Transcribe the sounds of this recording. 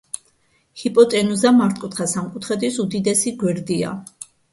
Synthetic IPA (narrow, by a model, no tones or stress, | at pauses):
hipʼɔt̪ʼɛnuzamaɾt̪ʰʼkʼut̪χasamkʼut̪ʰχɛd̪isud̪id̪ɛsiɡwɛɾd̪ia̰